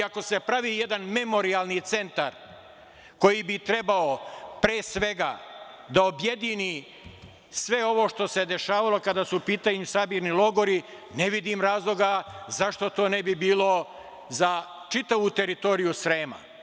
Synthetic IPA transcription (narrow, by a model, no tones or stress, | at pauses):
ako̞se̞pɾaʋije̞d̪anme̞mo̞ɾialˠnit̪se̞nt̪aɾ | ko̞jibit̪ɾe̞baopɾeːsʋe̞ɡa̰ | d̪ao̞bje̞d̪ini | sʋe̞o̞ʋo̞ʃt̪o̞se̞d̪e̞ʃaːʋalo̞kad̪aːsuːpiːt̪aɲusabiːɾnilo̞ɡo̞ɾi | neʋid̪imɾaːzlˠo̞ɡazaʃt̪o̞t̪o̞ːne̞bibiːlˠo̞ | zat͡ʃit̪aʋut̪e̞ɾit̪o̞ɾijusɾeːma̰